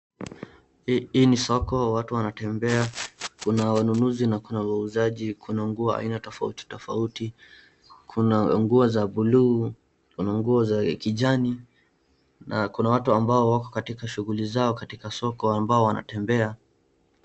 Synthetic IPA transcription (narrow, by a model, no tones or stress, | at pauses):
iːnisɔkɔwatuwanatɛmbɛakunawanunuzinakunawauzaʄikʰunaŋɡuɔa̰inatɔfa̰uti̥tɔfauti | kʰunaŋɡuɔzabuluː | kunaŋɡuɔzakiʄani | na̰kunawatuambaɔwakɔ̥katikaʃuɣulizaɔkatikasɔkɔambaɔwana̰tɛmbɛa